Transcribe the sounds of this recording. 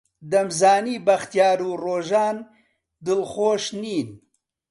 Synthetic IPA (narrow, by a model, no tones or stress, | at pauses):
d̪ɐmzaːniːbɐxt̪jaːɾuːroːʒaːn | d̪ɨlxoːʃniːn